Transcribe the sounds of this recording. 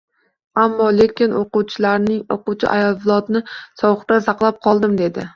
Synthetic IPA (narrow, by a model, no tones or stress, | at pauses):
amːɒle̞kʲɪnoqʊwt͡ʃʰɪlaɾnɪŋo̰qʊwt͡ʃʰɪ̰ʔajɒlˠvɪlˠɒt̪nɪsɒwɨqt̪asɑqlˠap̚qʰɒlˠd̪ɪmd̪e̞d̪ɪ